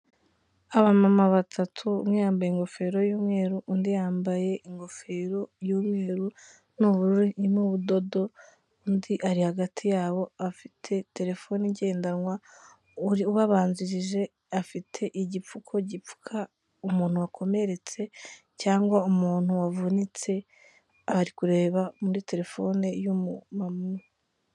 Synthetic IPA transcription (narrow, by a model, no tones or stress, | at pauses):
aβamamaβatʰatʰumŋejaːmbajeŋɡo̞fe̞ːɾo̞juːmŋe̞ːɾuʔundijaːmbaje̞ʔiŋɡo̞fe̞ɾo̞juːmŋe̞ːɾu | nuβuɾuɾiinuβudo̞do̞ | undiʔaɾihaɡatʰijaːβo̞afitʰe̞te̞ɾe̞fo̞niɟe̞ːndanŋwa | uβaβaːnziɾiʒe̞ | afitʰe̞ʔiɟip͡fukʰo̞ɟiu̥kʰa | umuːn̥huwakʰo̞me̞ɾe̞t͡se̞ | caːŋɡwaumuːn̥huwavunit͡se̞ | aβaɾikuɾe̞ːβamuɾite̞ɾe̞fo̞ːne̞jumumamuo